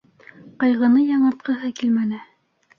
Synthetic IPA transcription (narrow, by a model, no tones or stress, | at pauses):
qɑjʁɤ̆nɤjɑɴɑ̆t̪̚qɤ̆ɦɤkilmænɘ